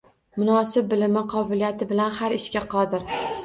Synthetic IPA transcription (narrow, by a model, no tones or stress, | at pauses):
mʊnɒsɪb̚ːɪlɪmɪqʰɒbɪlijat̪ʰɪbɪlanhaɾɪʃkʲaqʰɒd̪ɪɾ